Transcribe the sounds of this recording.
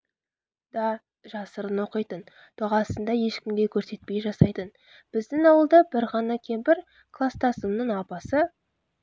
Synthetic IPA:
d̪̥ɑ | ʒɑsəɾənwo̞qəjt̪ən | t̪ʰoʁɑsənd̪ɑje̞ʃkʲɪmɡ̪ʲe̞kʲʰɵɾse̞t̪̚pe̞jʒɑsɑjt̪ən | b̥ɪzd̪ɪŋɑwəlˠd̪ɑbɪɾʁɑnɑkʲʰembɪɾ | kʰlˠast̪ʰɑsəmnəɴɑpɑsə

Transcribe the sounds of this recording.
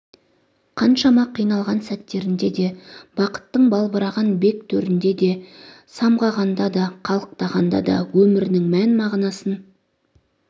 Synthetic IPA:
qʰɑnʃɑmɑqʰijnɑlˠʁɑnsæt̪ːe̞ɾɪnd̪e̞d̪e̞b̥ɑqə̥t̪ːəɴbɑlˠbəɾɑʁɑnbe̞k̚t̪ʰɵɾɪnd̪e̞d̪e̞ | sɑmʁɑʁɑnd̪ɑd̪ɑqʰɑlˠəq̚t̪ɑʁɑnd̪ɑ̰d̪ɑ̰wɵmɪɾɪnɪŋmænmɑʁnɑsən

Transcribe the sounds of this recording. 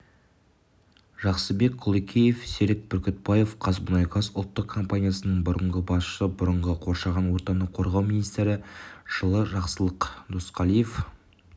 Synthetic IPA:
ʒɑqsəbe̞k̚qʰʊlˠekʲʰeje̞fseɾɪk̚bʏɾkʲʰʏt̪̚bɑje̞fqʰɑzbʊnɑjqʰɑsʊlˠt̪ːəq̚kʰo̞mpanʲijasənəɴbʊɾəɴʁəbɑsʃəbʊɾəɴʁəqʰo̞ɾʃɑʁɑnwo̞ɾt̪ɑnəqʰo̞ɾʁɑwmijnijst̪eɾɪʒ̥əlˠəʒɑqsəlˠəqd̪osqʰɑlˠijef

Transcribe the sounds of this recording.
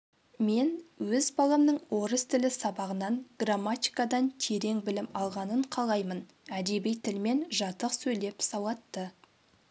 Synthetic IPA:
me̞nwɵzbɑlˠɑmnəɴwo̞ɾəst̪ʰɪlɪsɑbɑʁənɑnɡ̥ramːat̪ʲijkɑd̪ɑnt̪ʰe̞ɾe̞ŋbɪlɪmɑlˠʁɑnəɴqʰɑlˠɑjmən | æd̪e̞bijt̪ʰɪlme̞nʒɑt̪əqsɵjle̞psɑwɑt̪ːə

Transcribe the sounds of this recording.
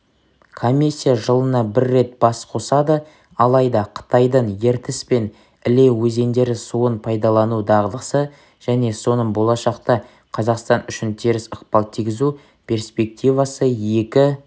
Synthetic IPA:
kʰomʲisʲːijaʒəlˠənɑbɪɾːe̞t̪̚b̥ɑsqʰo̞sɑd̪ə | ɑlˠɑjd̪ɑqʰə̥t̪ɑjd̪əɴje̞ɾt̪ɪspe̞n | ɪle̞wɵze̞nd̪e̞ɾɪsuənpʰɑjd̪ɑlˠɑnud̪ɑʁəd̪ˠəsə | ʒ̥æne̞so̞nəɴbo̞lˠɑʃɑqt̪ɑ | qʰɑzɑqst̪ɑnʏʃɪnt̪ʰeɾɪsəqpɑlˠt̪ʰiɡʲɪzu | pʲʰe̞ɾspe̞k̚t̪ʲijvɑsəje̞kʲɪ

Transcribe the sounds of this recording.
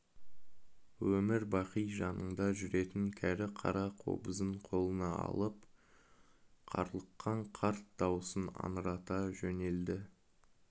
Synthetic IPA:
wɵmɪɾbɑqijʒɑnəɴd̪ɑʒʏɾe̞t̪ɪŋkʲʰæɾɪqʰɑ̰ɾɑqʰo̞̰bəzəɴqʰo̞lˠənɑɑ̰lˠəp̚ | qʰɑ̰ɾlˠəqːɑɴqʰɑɾt̪̚d̪ɑwəsənɑ̰nəɾɑt̪ɑʒɵne̞ld̪ɪ

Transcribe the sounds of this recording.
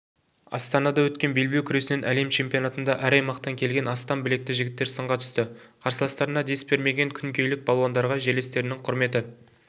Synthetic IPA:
ɑ̰st̪ɑnɑd̪ɑwɵt̪kʲe̞nbe̞lbewkʲʰʏɾe̞sɪne̞nʔæle̞mt͡ʃʰe̞mpijo̞nat̪ənd̪ɑʔæɾɑjmɑqt̪ɑŋkʲʰe̞lɡʲe̞nɑst̪ɑmbɪle̞k̚t̪ɪʒɪɡʲɪt̪ːe̞ɾsəɴʁɑt̪ʰʏ̥st̪ɪ | qʰɑɾsəlˠɑst̪ɑɾənɑd̪e̞sbe̞ɾme̞ɡʲe̞ŋkʲʰʏŋkʲʰe̞jlɪk̚bɑlˠwɑnd̪ɑɾʁɑʒele̞st̪e̞ɾɪnɪŋqʰʊɾme̞t̪ɪ

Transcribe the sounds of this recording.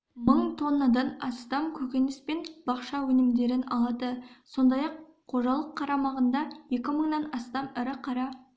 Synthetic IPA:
məɴt̪ʰonːəd̪ɑnɑst̪ɑmkʲʰɵkʲe̞nɪspenb̥ɑqʃɑwɵnɪmd̪e̞ɾɪnɑlˠɑd̪əso̞nd̪ɑjɑqʰː | o̞ʒɑlˠəqʰːɑɾɑmɑʁənd̪ɑje̞kʲɪməɴnɑnɑst̪ɑmɪɾɪqʰɑɾɑ

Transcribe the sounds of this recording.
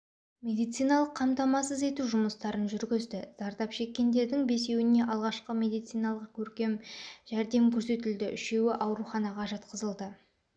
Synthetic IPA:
mʲe̞d̪ijt̪sijnɑlˠəqʰːɑmt̪ɑmɑsəze̞t̪uʒʊməst̪ɑɾənʒʏɾɡʲɪzd̪ɪz̥ɑɾd̪ɑpʃe̞kʲːe̞nd̪e̞ɾd̪ɪŋbe̞se̞wɪne̞ʔɑlˠʁɑʃqəmʲe̞d̪ijt̪sijnɑlˠəq̚kʲʰɵɾkʲe̞mʒ̥æɾd̪e̞mkʲʰɵɾse̞t̪ɪld̪ɪʔʏʃe̞wɪʔɑwɾuχɑnɑʁɑʒɑt̪̚qəzəlˠd̪ə

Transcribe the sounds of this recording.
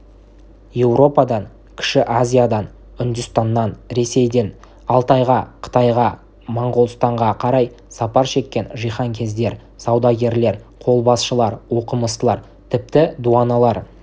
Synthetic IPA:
je̞wɾo̞pɑd̪ɑŋ | kʲʰɪ̥ʃɪʔazʲijad̪ɑn | ʏnd̪ʏst̪ɑnːɑnɾe̞se̞jd̪e̞n | ɑlˠt̪ɑjʁɑqʰə̥t̪ɑjʁɑ | mɑɴʁolˠst̪ɑɴʁɑqʰɑɾɑj | sɑpɑɾʃe̞kʲːe̞nʒijχɑŋkʲʰe̞zd̪e̞ɾ | sɑwd̪ɑɡʲe̞ɾle̞ɾqʰo̞lˠbɑsʃəlˠɑɾwo̞qəməst̪əlˠɑɾ | t̪ʰɪp̚t̪ɪd̪uɑnɑlˠɑɾ

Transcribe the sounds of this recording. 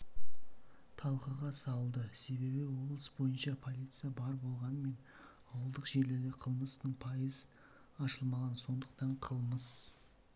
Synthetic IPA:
t̪ʰɑlˠqəʁɑsɑlˠd̪əse̞βe̞βɪwo̞blˠəsbo̞jənʃɑpʰo̞lʲˠijt̪sɨjabɑɾbo̞lˠʁɑnəme̞n | ɑwəlˠd̪əqʒe̞ɾle̞ɾɡ̪ʲeqʰəlˠməsnəɴpʰɑjəz | ɑʃəlˠmɑʁɑnso̞nd̪əq̚t̪ɑɴqʰəlˠməs

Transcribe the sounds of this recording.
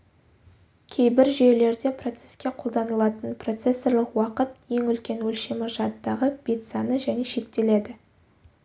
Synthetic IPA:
kʲʰe̞jbɪɾʒele̞ɾd̪e̞pro̞t̪se̞skʲe̞qʰo̞lˠd̪ɑnəlˠɑt̪ənpro̞t̪se̞sːo̞ɾlˠəqwɑqət̪̚je̞ŋʏlkʲe̞nwɵlʃe̞mɪʒɑt̪ːɑʁəb̥e̞t̪sɑnəʒæne̞ʃe̞k̚t̪e̞le̞d̪ɪ

